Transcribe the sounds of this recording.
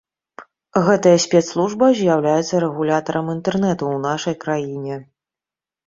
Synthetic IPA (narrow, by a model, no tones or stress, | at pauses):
ɣɛt̪ɐjɐsʲpʲɛt̪slˠuʐbɐzʲjawlʲajɛt̪sːɐɾɛɣulʲat̪ɐɾɐmint̪ɛrnɛt̪uwnaʂɐjkɾajinʲɛ